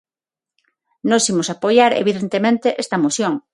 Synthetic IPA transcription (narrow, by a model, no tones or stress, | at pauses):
nosimosapojaɾḛβiðent̪emẽnt̪eʔest̪ɐmosjõŋ